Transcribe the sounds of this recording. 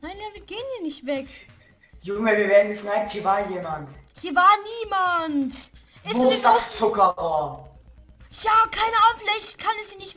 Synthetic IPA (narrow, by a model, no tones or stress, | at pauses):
naɪndɛɐvɪɡ̥eːənhiːɐnɪçtv̥ɛk | jʊŋəviːɐveːɐn̩isnaɪnthiːɐvaːɐjeːmanthiːɐvaːɐniːmant | ʔɪsosdast͡sʊkɐvaːɐ | jaːkʰaɪnəaʊflɛçkʰanɛsiːɐnɪçt